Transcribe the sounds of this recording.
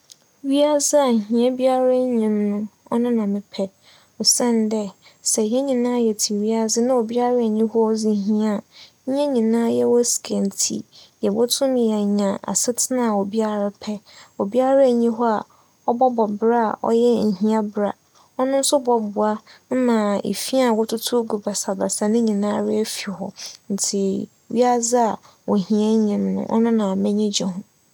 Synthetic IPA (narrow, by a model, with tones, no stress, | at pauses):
ɥi˦a˦zɪ˦a˨ɲ̩˨ɦĩ˨a˦bi˦a˦ɾa˦ɲĩ˨mnʊ̃˦ɔ˦nɪ̃˦nã˨mɪ̃˨pʰɛ˦ | ɔ˨sɛ̃˦n˨dɛ˦sɛ˨jɛ˦ɲĩ˨nãː˦jɛ˨tʰi˨ɥi˦a˨zɪ˦nã˦o˨bi˦a˦ɾa˦˨ɲĩ˦hɔ˦ɔ˦zi˨˦ɦĩ˦a˦˨˦ | ɛ̃˦ɲĩ˨nã˦jɛ˦wɔ˦si̥˨kʰã˨n˨tʰḭ˨jɛ˨wɔ˦tʰʊ̃˦mja˨ɲã˨a̰˨sɪ˦tʰɪ˦nã˨o˨bi˦a˦ɾa˦pʰɛ˦o˨bi˦a˦ɾa˦˨ɲĩ˦ɦɔ˦a˨ | ɔ˦bɔ˦bɔ˨bɾa̰˦˨ʔɔ̰˦jɛ˦ɲ̩˨ɦĩ˦a˦bɾa˨ | ɔ˦nʊ̃˦n̩˦sʊ˦bɔ˨bʊ˨a˦m̩˦mã˨ḛ˨fi˦a˦˨wɔ˦tʰʊ˦tʰʊ˦ɡu˨ba˨sa˨ba˨sa˨nɪ̃˦ɲĩ˨nã˦ɾɪ˦æ˦fi˨hɔ̰˨n̩˨tʰɪ˨ | ɥi˦a˦za˦a˨ | wɔ˨hĩ˨ã˦ɲĩ˨m˦nʊ̰̃˨˦ʔɔ̰˦nʊ̃˦nã˨mɛ̃˦ɲĩ˦d͡ʑɛ˨ɦʊ̃˨